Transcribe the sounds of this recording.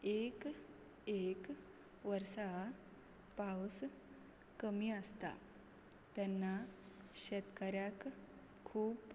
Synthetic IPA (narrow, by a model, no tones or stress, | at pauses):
ek | ek | ʋəɾsa | paws | kəmiːəst̪a̰ | t̪jɛnːa | ɕət̪kəɾjak | kʰːuːp